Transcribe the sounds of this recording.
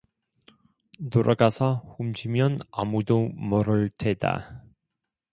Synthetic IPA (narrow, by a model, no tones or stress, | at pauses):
toɾʔaɡasʰʌɸumd͡ʑimjʌna̰mudomʌɾɯɭtʰeda̰